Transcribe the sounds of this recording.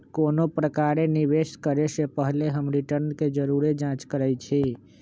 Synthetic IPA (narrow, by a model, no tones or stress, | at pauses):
koːnopɾəkaɾeniʋeskəɾesepəɦleɦəmɾiʈəɾnked͡ʒəɾuɾed͡ʒãt͡ʃkəɾɛjt͡ʃʰi